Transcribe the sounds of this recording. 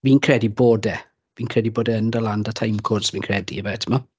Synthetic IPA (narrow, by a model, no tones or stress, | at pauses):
viːnkʰr̥ɛdiboːdɛ | viːnkʰrɛdiboːdɛəndəlandətʰajmkʰɔrd̥sviːnkʰrɛdḭəvaɛtʰəma